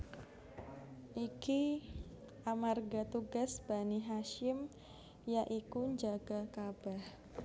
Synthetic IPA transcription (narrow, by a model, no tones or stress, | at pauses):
ʔiki | ʔamarɡat̪uɡasb̥aniɦaʃɪm | jaʔikuɲd͡ʒaɡ̥akab̥ah